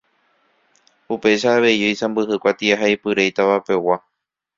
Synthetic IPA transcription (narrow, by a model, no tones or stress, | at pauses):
upe̞ʃaːʋe̞jojsãmbɨɦɨkʷat̪iaɦaipɨɾejt̪aʋape̞wa